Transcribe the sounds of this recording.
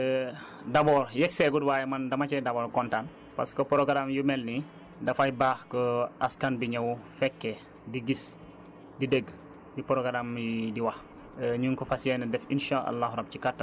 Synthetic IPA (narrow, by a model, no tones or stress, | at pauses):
dɐbɔːɾjɛksɛɡudwaːjɛmɐndɐmɐcɛdɐbɔːɾkɔntan | pa̰skɔpɔɾoɡɾamjumɛlni | dɐfajbaːxkɔaskanbiɲɐwfɛkːɛ | diɡis | didəɡ | dipɔɾɔɡaɾamjidiwɐx | ɲuŋkɔfasɛnɐdɛfinʃaʔa̰lːahɾɐb̚cikatːa